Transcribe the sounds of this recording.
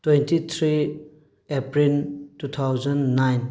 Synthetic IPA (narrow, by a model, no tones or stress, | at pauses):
twentit̪ʰɾi | epɾiltut̪ʰawd͡ʒɐnːajn